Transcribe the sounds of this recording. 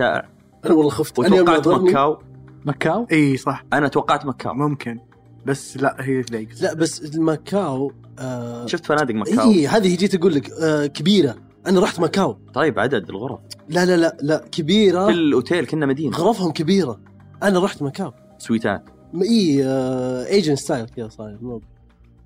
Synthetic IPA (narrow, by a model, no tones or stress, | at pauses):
ʃa̰ːʔɪ̰ʕ | ʔanawalˤːɑxʊft̪wtawɑqːɑʕt̪makkːaːwmakːaːwʔiːsˤɑħʔanaʔat̪wɑqːɑʕt̪makʰːa̰ːwmʊmkʰɪn | basːlaʔhiːaɡlaʔbasːɪlmakʰːaːw | ʃʊft̪fanaːd̪ɪkmaʔaːiːhaːðihid͡ʒiːt̪aɡuːlːɪkkabiːɾa | ʔanaɾˤɑːħt̪makaːwt̪ˤɑjːɪbʕa̰d̪ad̪ɪlɣʊɾˤɑflalalaʔlaʔkabiːɾaɪlʔʊt̪ʰeːlkɪnːamad̪iːnɣʊɾˤɑfhʊmkabiːɾa | ʔanaɾˤɑːħt̪makaːw | swiːt̪a̰ːt̪ | ʔiː | ʔeːd͡ʒɪnst̪aːjlkjasˤɑːjmab